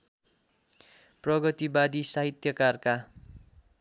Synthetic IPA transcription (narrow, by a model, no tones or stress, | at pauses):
prʌɡʌt̪ibad̪isaɦit̪jʌkarka